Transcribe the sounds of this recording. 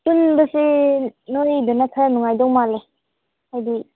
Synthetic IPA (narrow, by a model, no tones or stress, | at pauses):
tunbəsinojbɯnakʰaɾnuŋajdɔŋmale | hajdi